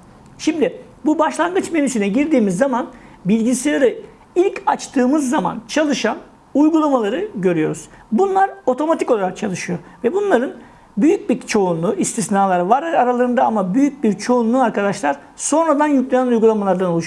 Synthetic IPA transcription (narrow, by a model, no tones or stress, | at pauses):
ʃimd̪ɪ | bubaʃlˠanɡɯt͡ʃmeninyt͡ʃ̪ynɛɟiɾd̪iːmizːamanbilʲɟiselˠaɾɯ | ilʲcat͡ʃt̪ʰɯːmɯzːama̰nt͡ʃʰalˠɯʃan | ujɡulˠamalˠaɾɯɟø̞ɾyjo̞ɾuz̥bunlˠaɾo̞t̪ʰo̞mat̪ʰiko̞lˠaɾak̚t͡ʃʰalˠɯʃɯjo̞vɛbunlˠaɾɯn | byjyc̚biɾt͡ʃʰo̞unlˠuʔist̪ʰisnaːlˠaɾɯvaɾaɾalˠaɾɯnd̪aamabyjyc̚biɾt͡ʃʰo̞unlˠuaɾkad̪aʃlˠaɾ̥ | so̞nɾad̪anjyclʲenænujɡulˠamalˠaɾd̪anouʃ